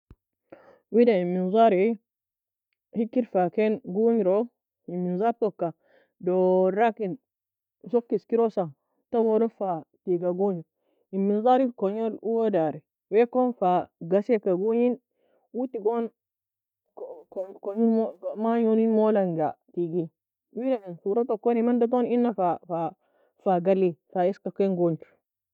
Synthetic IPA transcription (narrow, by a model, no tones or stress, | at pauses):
widaimːinzaɾi | hikːiɾfakenɡuɲɾo | iminzapokːa | doɾakin | sokːiskiɾosa | tawoɾofatiɡaɡuɲi | imːinzaɾikoɲoɾuwodaɾi | wekonfaɡasekaɡuɲin | wutiɡon | koɲinmomaɲoninmolaŋɡatiɡi | wiɾaninsuɾatakonimandat̬oninːafafa | faɡalːifaiskakenɡont